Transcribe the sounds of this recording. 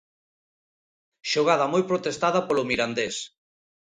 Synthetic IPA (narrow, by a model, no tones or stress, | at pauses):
ʃoɣ̞að̞ɐmojpɾot̪est̪aðɐpolomiɾand̪es